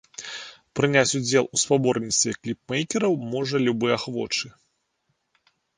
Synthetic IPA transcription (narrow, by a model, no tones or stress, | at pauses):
pɾɨnʲat͡sʲud͡zʲɛlˠuspabɔrnʲit̪st̪vʲɛklʲip̚mɛjkʲɛɾɐwmɔʐɐlʲubɨjaxvɔ̰t͡ʂɨ